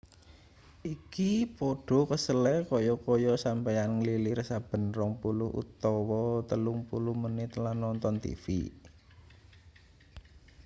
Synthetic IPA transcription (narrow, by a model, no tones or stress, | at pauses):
ʔikipoɖ̥ɔ̤kəsəlɛkɔjɔkɔjɔsampajanŋəlilɪrsab̥ə̤nrɔŋpulʊhʔṵt̪ɔwɔt̪əluŋpulʊhmənɪt̪lanːɔnt̪ɔnt̪ḭfḭ